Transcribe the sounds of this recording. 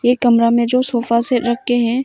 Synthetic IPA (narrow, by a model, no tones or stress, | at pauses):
jekɐmɾamẽd͡ʒoːsoːfaseɾɐk̚ːeɦɛ̃